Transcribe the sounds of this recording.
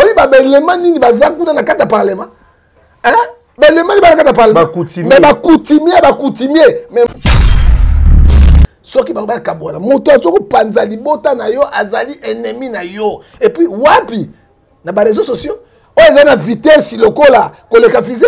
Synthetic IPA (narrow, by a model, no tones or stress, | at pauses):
oibabelemaniŋibazakunanakateapalema | ɛ | belemaibaakatapalkutimɛbakutimiabakutimemɛ | sɔkibaoakabolamotoazokopanzalibotanajɔʔazaliʔeneminajɔ | epɥiwapi | nabaʁezososjo | ojezainavitesilokolakolekavize